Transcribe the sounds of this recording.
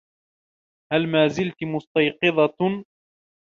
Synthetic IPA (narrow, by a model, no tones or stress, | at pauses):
halmaːzɪlt̪mʊst̪ɑjqɨðˤɑ